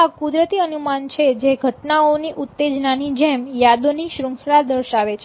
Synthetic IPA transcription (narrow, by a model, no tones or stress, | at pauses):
akud̪ɾət̪iənumant͡ʃʰed͡ʒeɡʱəʈnaoniʔut̪ːed͡ʒnanid͡ʒɛmjad̪oniʃɾə̃ŋksɾad̪əɾʃaʋet͡ʃʰe